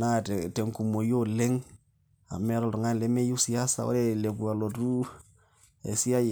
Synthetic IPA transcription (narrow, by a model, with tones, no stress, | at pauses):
na˦˨tte˨ŋku˨mo˨jo˦le˦ŋ | a̰˨mɛ˦ɾɔ˨ltɔ˨ŋa˦˨le˨˦me˦ju˦si˨a˦sa̰˨o̰˦ɾe˦le˨ku˨a˨lo˨tu˦ | ḛ˨si˦a˦j